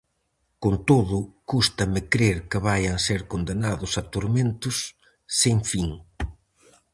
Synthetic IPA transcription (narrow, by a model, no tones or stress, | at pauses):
kont̪oðʊkust̪ɐmɪkɾeɾkɪβajɐŋseɾkond̪enaðʊsɐt̪oɾmẽnt̪ʊsː | eŋfiŋ